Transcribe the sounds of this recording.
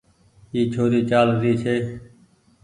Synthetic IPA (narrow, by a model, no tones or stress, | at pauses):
iːt͡ʃʰoːɾiːt͡ʃaːlɾiːsʰeː